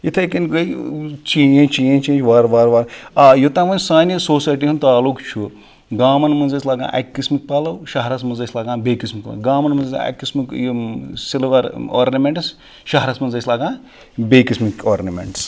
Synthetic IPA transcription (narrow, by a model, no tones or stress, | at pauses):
jit̪ʰɐkɐnɡɐjt͡ʃiːẽt͡ʃiẽt͡ʃẽːnd͡ʒʋaːɾʋaːɾʋaːɾajot̪ãːʋɐnʲsaːnisoːsaːjʈ̬iɦunt̪aːlukt͡ʃʰu | ɡaːmɐnmɐnzɐsʰʲlaːɡã̰ːʔɐ̰kkːismik̚paːlɐwʃɐɦɾasmɐnzɐsʲlaːɡãːbeːkismikpl̰ːɡaːmɐnmɐnzɐsa̰ɐ̰kːismik | silɾo̰ːɾnɐmeɳʈs | ʃɐɦɾaːsmɐnzɐsʲlaːɡãː | beːkismikoːɾnɐmʲḛɳʈs